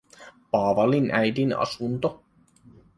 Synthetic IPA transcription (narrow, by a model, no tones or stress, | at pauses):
pɑːʋɑlinʔæjd̪inɑ̰sunt̪o